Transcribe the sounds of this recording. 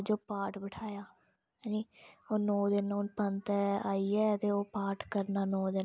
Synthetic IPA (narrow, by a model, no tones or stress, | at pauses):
d͡ʒoːpaːʈbəʈʰaːjaː | niːoːnɔːd̪ɪnõːnpənt̪ɛaːiːɛːət̪eːoːpaːʈkəɾnaːnɔːd̪ɪn